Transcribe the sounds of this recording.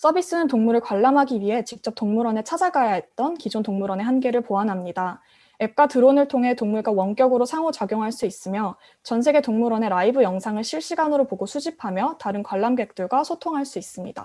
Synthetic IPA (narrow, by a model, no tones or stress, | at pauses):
s͈ʰʌbis͈ɯnɯntoŋmuɾɯɭkwaɭːamɦaɡiɥiɦe̞t͡ɕik̚t͡ɕ͈ʌp̚toŋmuɾwʌne̞t͡ɕʰad͡ʑaɡajaɦe̞t̚t͈ʌnkid͡ʑontoŋmuɾʌne̞ɦanɡe̞ɾɯɭpoanɦamɲida | e̞p̚k͈atɯɾonɯɭtʰoŋɦe̞toŋmuɭɡwawʌnk͈jʌɡɯɾosʰaŋot͡ɕaɡjoŋɦaɭs͈uis͈ɯmjʌ | t͡ɕʌnsʰe̞ɡe̞toŋmuɾʌne̞ɾaibɯjʌŋsʰaŋɯɭɕʰiɭɕ͈iɡanɯɾopoɡosʰud͡ʑipʰamjʌtaɾɯnkwaɭːamɡe̞k̚t͈ɯɭɡwasʰotʰoŋɦaɭs͈uis͈ɯmɲida̰